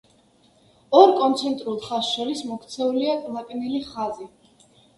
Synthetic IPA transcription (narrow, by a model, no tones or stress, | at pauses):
ɔɾkʼɔnt̪sʰɛnt̪ʼɾulˠχasʃɔɾismɔkʰt̪sʰɛuliakʼlˠakʼiniliχazi